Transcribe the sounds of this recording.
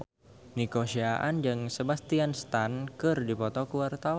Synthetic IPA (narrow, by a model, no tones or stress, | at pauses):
nikosiaʔand͡ʒɨŋsebast̪ianst̪ankɨrdipɔt̪ɔkuwart̪awa